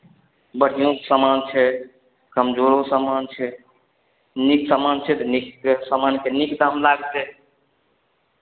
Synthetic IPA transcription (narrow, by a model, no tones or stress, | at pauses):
bəɽ̤ijõksamant͡ʃʰɛ | kəmd͡ʒoɾosamant͡ʃʰɛ | niksamant͡ʃʰɛt̪niksamankenikd̪amlaɡt͡ʃɛ